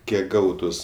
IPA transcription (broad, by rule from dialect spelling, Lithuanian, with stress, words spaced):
ˈkʲiɛk ˈɡɐʊtʊs